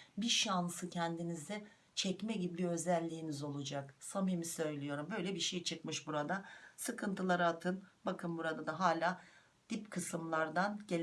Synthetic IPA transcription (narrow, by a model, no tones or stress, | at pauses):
biʃansɯcʰɛnd̪inizd̪ɛ | t͡ʃʰɛcmɛɟibiø̞zɛlʲːiːnizo̞lˠud͡ʒaksamijmisø̞jlʲijo̞ɾumbø̞jlʲɛbiɾʃejt͡ʃʰɯkmɯʃbuɾad̪asɯkʰɯnt̪ʰɯlˠaɾaːt̪ʰɯnbakʰɯmbuɾad̪ad̪aɦaːlʲaː | d̪̥ipkʰɯsɯmlˠaɾd̪anɟelʲ